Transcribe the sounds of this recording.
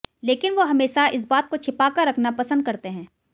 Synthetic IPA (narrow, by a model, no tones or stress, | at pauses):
leːkɪnʋoɦɐmeːʃaɪs̬baːt̪̚kot͡ʃʰɪpaːkəɾːɐkʰnapɐsə̃nd̪̚kɐɾt̪eɦɛ̃ː